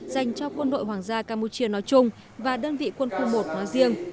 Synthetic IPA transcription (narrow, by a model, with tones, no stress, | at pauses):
za˨˩jŋ̟t͡ɕɔ˧kwə˧nɗo̰˧˨jɦwaː˨˩ŋzaː˧kaː˧mu˧t͡ɕi˧ənɔ˨˦jt͡ɕʊ˧ŋ͡m | vaː˨˩ɗəː˧nvḭ˧˨kwə˧nxu˧mo˨˩t̚nɔ˨˦jzi˧əŋ